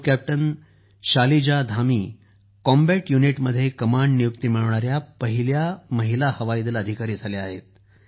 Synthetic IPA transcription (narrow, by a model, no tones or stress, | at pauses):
kæp̚ʈən | ɕalid͡ʑad̪ʱamiː | kɔmbæʈjuniʈməd̪ʱːjekəmaɳɖnijuk̚t̪imiɭʋɳaɾjapəɦiljaməɦilahəʋaid̪iləd̪ʱikaɾiːd͡zʱaleaɦḛt̪̚